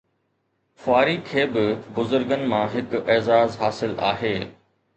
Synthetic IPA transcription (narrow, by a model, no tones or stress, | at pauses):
xʊaːɾikʰeːbɪbʊzʊɾɡənɪ̆mãɦɪkɛːzaːzɦaːsɪla̰ːɦeː